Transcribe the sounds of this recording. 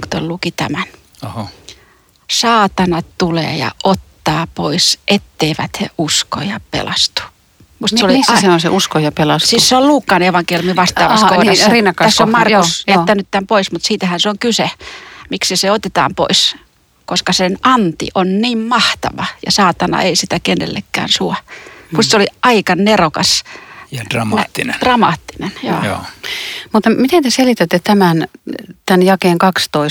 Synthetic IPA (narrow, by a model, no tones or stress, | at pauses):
kt̪ollukit̪æmæn | sɑːt̪ɑnɑtt̪ulḛːjɑ̰ʔot̪ːɑːpoisʔet̪ːeiʋæ̰t̪hḛʔusko̰jɑpḛlɑst̪u̥ | must̪soliseosḛʔuskojɑpelɑssisseolluːkːɑneʋɑŋkeljumiʋɑst̪ɑːʋɑ̰koirɑsrinːɑkːɑæsːommɑrkusjæt̪ːænyt̪ːæmpoismut̪siːt̪æhænseoŋkysemiksiseot̪et̪ɑ̰ːmpo̰is | koskɑsenʔɑnt̪ḭʔonniːmmɑht̪ɑ̰ʋɑjɑ̰sɑːt̪ɑnɑ̰eisit̪ækenːḛlːekːæ̰ːnsuɑmust̪soliʔɑikɑnnerokɑ̰s | rmt̪ːind̥rɑmɑːt̪ːinenjo̰ːo̰ːmut̪mit̪ent̪eselit̪æt̪ːet̪æmænt̪ænjɑkeːŋkɑkst̪oi